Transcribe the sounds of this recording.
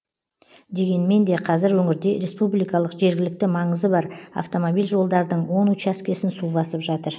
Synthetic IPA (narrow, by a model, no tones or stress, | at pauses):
d̪e̞ɡʲe̞nme̞nd̪e̞qʰɑzɪɾwɵŋɪɾd̪e̞ɾe̞spublijkɑlˠəqʒe̞ɾɡʲɪlɪk̚t̪ɪmɑɴəzəbɑɾa̰ft̪o̞mobijlʲʒo̞lˠd̪ɑɾd̪əɴwo̞nut͡ʃæskʲe̞sɪnsubɑsəpʒɑt̪əɾ